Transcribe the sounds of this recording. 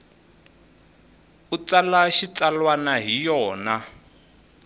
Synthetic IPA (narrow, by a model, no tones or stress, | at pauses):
ut͡salaʃit͡salwanaɦijɔːna